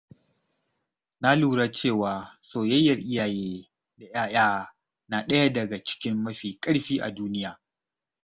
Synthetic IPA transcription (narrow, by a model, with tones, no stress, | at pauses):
na˦luː˨ɽaː˦t͡ʃeː˦˨waː˨soː˨jɐ˦jːɐ˨rʔɪ˦jaː˨jeː˦ | da˨j̰aː˦j̰aː˦ | na˨ɗɐ˦ja˦dɐ˨ɡa˨t͡ʃɪ̥˦kʲɪ˦mːɐ˦ɸiː˨kʼɐ˦ɽɸiː˦ʔa̰˨duː˦nɪ˦jaː˨